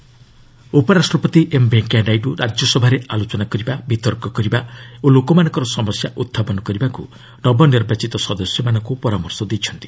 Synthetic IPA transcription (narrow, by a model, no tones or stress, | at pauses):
upɔɾasʈɾɔpɔt̪iʔembeŋkaɖajʈuɾʔad͡ʒjɔsɔbʱaɾeʔalot͡ʃɔnakɔɾibabit̪ɔɾkɔkɔɾibaolokɔmanɔ̃ŋkɔɾɔsɔmɔsjaʔut̪ʰːapɔnɔkɔɾibakṵ | nɔbɔniɾbat͡ʃit̪ɔsɔd̪ɔsjɔmanɔŋkupɔɾamɔɾsɔd̪ejt͡ʃʰɔnt̪i̥